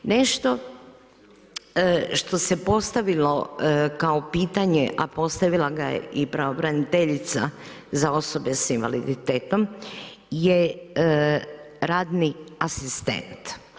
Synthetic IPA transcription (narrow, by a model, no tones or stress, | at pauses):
neʃt̪o̞ | ʃt̪o̞se̞po̞st̪aʋilo̞kaopiːt̪aɲeʔapo̞st̪aʋilaɡajḛipɾaobɾanit̪eʎit̪sa̰ | zao̞so̞besinʋa̰lḭd̪it̪eːt̪o̞m | je | ɾaːd̪niasist̪e̞̰nt̪